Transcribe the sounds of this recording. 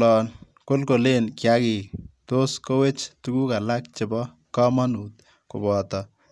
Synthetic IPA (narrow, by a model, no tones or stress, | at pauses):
lɔn | kolkolenkjaɡit̪oskowet͡ʃt̪uɡukalak̚t͡ʃɪbɔ | kamanut̪̚ | ko̰bɔːt̪ɔ